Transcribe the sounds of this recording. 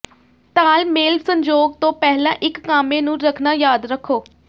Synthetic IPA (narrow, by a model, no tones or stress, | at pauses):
t̪aːlmeːlsəɲd͡ʒoːɡ̚t̪õːpɛɦlãːʔɪkːaːmẽːnũːɾəkʰnaːjaːd̪ɾəkʰːoː